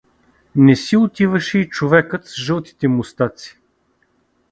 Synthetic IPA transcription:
nɛsiʊt̪ivəʃɛit͡ʃovɛkət̪sʒɤlˠt̪i̥t̪ɛmʊst̪at̪si̥

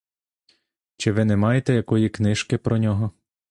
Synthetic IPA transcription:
t͡ʃɪʋɪnɛmɑjet̪ɛjɐkɔjiknɪʃkɪpɾɔnʲɔɦɔ

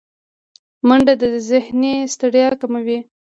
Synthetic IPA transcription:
maɳɖad̪əəzɪhnest̪aɽjɑkamawi

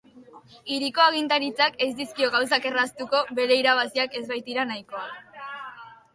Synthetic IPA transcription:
iɾiko̞aɣint̪aɾit͡sake̞zd̪iskio̞ɣawsake̞rast̪uko̞βe̞ɾe̞iɾaβ̞asiake̞zβajt̪iɾanajko̞a

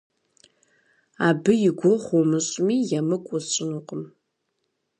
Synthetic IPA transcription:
aːbɨjɪɡʷɔχʷɔmɨɕʼmiːjɐmɨkʷʼɔɕʼɪnuqʼəm

